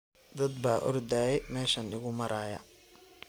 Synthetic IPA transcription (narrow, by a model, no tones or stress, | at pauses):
d̪ɐd̪baːʔɔ̰rd̪aːjɛjmɛːʃɐnɪɣʊmɐɾaːjɐ̰